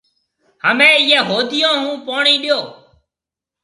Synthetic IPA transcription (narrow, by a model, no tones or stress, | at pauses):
həmẽːɪːẽːɦoːd̪ɪjõːɦũːpoːɳiːɗɪjoː